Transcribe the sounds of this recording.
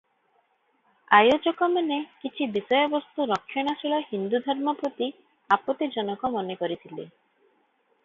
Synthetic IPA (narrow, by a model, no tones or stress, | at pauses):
ajod͡ʒɔkɔmanekit͡ʃʰibisɔjɔbɔst̪uɾɔkʰːjɔɽ̃asiɭɔhind̪ud̪ʱɔɾmɔpɾɔt̪i | apɔt̪id͡ʒɔnɔkɔmɔnekɔɾit̪ʰile